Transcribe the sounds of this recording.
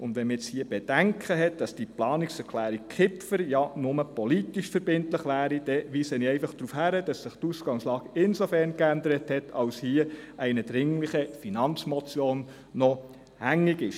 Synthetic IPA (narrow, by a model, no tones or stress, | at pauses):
ʊnd̥̪ʋɛnməɛt͡shiːəb̥ɛd̥æŋkʰχəɦɛt̚d̥ɑsd̥iplɑːniksɛɾkχlæːɾik̚kʰɪpfəɾjɑnʊməpɔlitiʃfəɾbɪntləχʋæːɾid̥ɛʋiːsəniɛɪfɑχd̥ɾuːfhæɾəd̥ɑsːɪχtusɡ̥ɑŋslɑːɡ̥ɪnsofɛɾnkændəɾəthɛtʰɑwshiəɛɪnəd̥ɾɪŋləχəfinɑnt͡smɔt͡sjoːnː | ɔ | hæŋːiɡɪʃ